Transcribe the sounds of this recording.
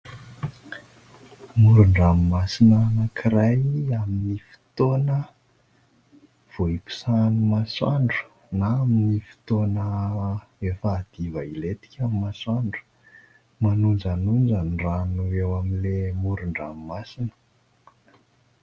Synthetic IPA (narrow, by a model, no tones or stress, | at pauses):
muɾuɳɖ͡ʐamimasinanakʰiɾajaminifi̥t̪onə | v̥oiku̥sanumaswaɳɖ͡ʐu̥ | naaminifi̥t̪onə | efaːd̪̥ivailet̪i̥kʲamimaswaɳɖ͡ʐu̥ | manund͡ʒanund͡zanranuewaminlemuɾuɳɖ͡ʐammasinə̥